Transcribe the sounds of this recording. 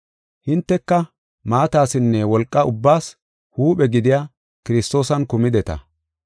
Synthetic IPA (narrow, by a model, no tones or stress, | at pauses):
hɪnt̪ːɛkːɐ | maːt̪aːsɪnːɛwɔlkʼːɐʊbːaːs | huːpʼɛɡɪd̪ɪjaː | kɪɾɪst̪o̞ːsɐnkʊmɪd̪ɛt̪ɐ̰